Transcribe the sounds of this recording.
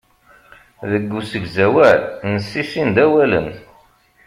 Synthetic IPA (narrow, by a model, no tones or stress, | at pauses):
ðəɡːusəɡzæwælnəsːisind̪æwælə̰n